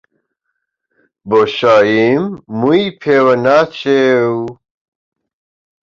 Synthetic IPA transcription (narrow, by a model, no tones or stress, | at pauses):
boɕaːjimːuipʰeːwɐnat͡ɕew